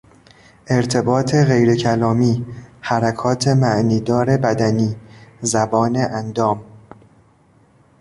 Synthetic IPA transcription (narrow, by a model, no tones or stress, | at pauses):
ʔe̞ɾt̪ʰe̞bɒːt̪ʰe̞ɣe̞jɾecʰælɒːmiːhæɾækʰɒːt̪ʰe̞mæʔniːd̪ɒːɾe̞bæd̪æniːzæbɒːneʔænd̪ɒːm